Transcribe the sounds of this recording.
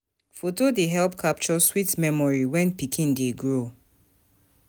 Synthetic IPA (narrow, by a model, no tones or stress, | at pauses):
fotodeɦɛlp̚kʰap̚t͡ʃɔswitmɛmɔɹiwɛ̃npikʰĩndeɡɹo